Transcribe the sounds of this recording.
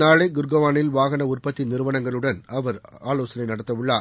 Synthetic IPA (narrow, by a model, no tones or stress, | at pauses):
naːɭɐɪɡʊɾɡɐʋaːnɪlʋaːɣɐnɐʊrpɐt̪ːinɪɾɯʋɐɳɐŋɡɐɭɯɽɐnɐʋɐɾaːloːsɐnɐɪnɐɽɐt̪ːɐʋɯɭːaː